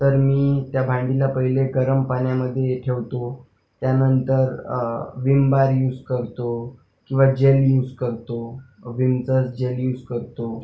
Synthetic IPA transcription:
t̪əɾmiːt̪jabʱãɳɖilapəɦileɡəɾəmpaɳjaməd̪ʱːjejeʈʰeʋt̪o | t̪janənt̪əɾʋimbaɾjuːd͡zkəɾt̪o | kĩw̃ʋad͡ʑeljuːd͡zkəɾt̪o | ʋimt͡səsd͡ʑeljuːd͡zkəɾt̪o

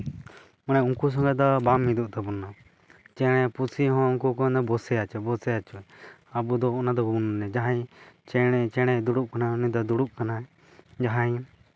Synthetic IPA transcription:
manɛuŋkus̬ɔ̃ŋɡad̪ɔbamid̪uʔt̪abɔnːa | t͡ʃɛɽ̃ɛpusʰiɦɔ̃uŋkukɔnd̪ɔbɔsɛat͡ʃɔbɔsɛat͡ʃuabud̪ɔnad̪ɔɡunnɛd͡ʒaɦajt͡ʃɛɽɛt͡ʃɛɽ̃ɛd̪uɽuʔ̚kanaunid̪ɔd̪uɽuʔ̚kanaɛ | d͡ʒaɦaj

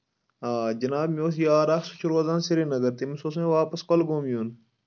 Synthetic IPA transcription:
aːd͡ʒɐnaːbmʲoːs̬jaːɾaːksu̥t͡ʃʰuɾɐzãːnsiɾinɐɡɐɾt̪imisoːs̬meʋaːpɐskɐlɡoːmjuːn

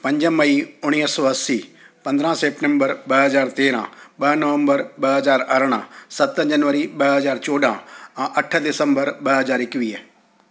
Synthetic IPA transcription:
pɐ̃ɲd͡ʒəmɐiʊɽ̃iːsɔːɐsi | pɐ̃nd̪ɾãseːp̚ʈẽmbəɾɓɐɦɐzaːɾt̪eːɾãɓɐnəʋə̃mbəɾɓɐɦɐzaːɾɐɾɽ̃ãsɐt̪əd͡ʑɐnʋəɾiɓɐɦɐzaːɾt͡ɕɔːɖʱãʔɐʈʰəd̪ɪsə̃mbəɾɓɐɦɐzaːɾɪkʋi

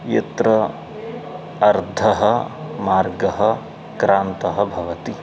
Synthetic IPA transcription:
jet̪ɾɐ | ɐɾd̪ʱɐɦɐmaːɾɡɐɦɐ | kɾaːnt̪ɐɦɐbʱɐʋɐt̪i

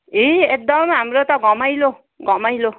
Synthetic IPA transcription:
eek̚d̪ɔmɦamɾot̪ɔɡɔmajlo | ɡɔmajlo

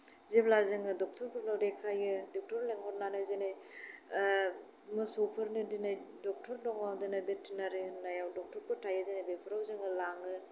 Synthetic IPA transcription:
zeblazɯŋɯdɔk̚tʰɔɾpʰɯɾnɔɾekʰajɯdɔk̚tʰɔɾleŋhɔɾ̚nanɯjzenaj | mɯsɔwpʰɯɾnɯdinajdɔk̚tʰɔɾdɔŋawdɯnabetʰːinaɾinajawdɔk̚tʰɔɾpʰɯtʰajɯdenajbepʰɯɾawzɯŋɯlaŋɯ

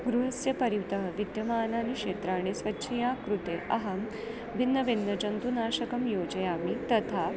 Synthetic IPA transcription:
ɡɾuɦɐsjɐpɐɾiwt̪ɐɦɐʋid̪jɐmaːnaːniʂeːt̪ɾaːɽ̃esʋɐtːɕʰɐjaːkɾut̪eɐɦɐm | bʱinːɐʋinːɐd͡ʒɐnt̪unaːɕɐkɐmjoːd͡ʒɐjaːmit̪ɐt̪ʰa

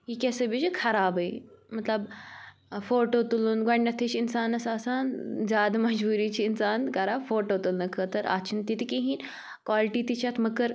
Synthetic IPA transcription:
ɦikʲesəbit͡ʃikʰɐɾaːbɐimɐt̪lɐb | foːʈoːt̪ulunɡɐɳɖɐt̪ʰet͡ʃʰinsaːnɐsaːsaːnzjaːd̪mɐd͡ʒbuːɾiːt͡ʃʰiːnsaːnkɐɾaːbfoːʈoːt̪ulnɐkʰəːt̪ɐɾa̰ːt͡ʃʰint̪it̪ikiɦĩːn | kwaːliʈiːt̪it͡ʃʰat̪ʰmɐkɐɾ

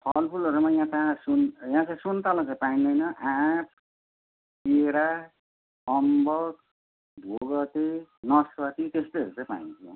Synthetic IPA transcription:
pʰʌlpʰulʌɾumajãt͡sãsunjãt͡sãsunt̪alãt͡sãĩpaĩnd̪ʌjnʌʔãp̚ʰ | eɾa | ʌmbʌk | b̪ʱoɡʌt̪enʌswʌt̪it̪est̪oʌɾut͡sãĩpaĩnt̪ʰjo

